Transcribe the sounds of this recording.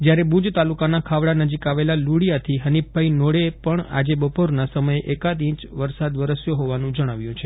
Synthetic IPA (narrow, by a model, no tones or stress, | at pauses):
d͡ʒjaɾebud͡ʒt̪alukanakʰaʋɭanəd͡ʒikaʋelaluɽijat̪ʰiɦənip̚bʱainoɽepəɳa̰d͡ʒebəpoɾnasəməjeʔekad̪ĩt͡ʃʋəɾsad̪ʋəɾəsjoɦoʋanũd͡ʒəɽ̃aʋjũt͡ʃʰe